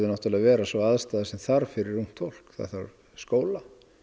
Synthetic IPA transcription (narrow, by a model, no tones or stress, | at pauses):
ðʏnaht̪alaɣvɛːɾasvɔaðst̪aːðasɛmθaɾ̥fɪɾɪɾːum̥t̪fol̥kθa̰ðθa̰ɾ | skoːwla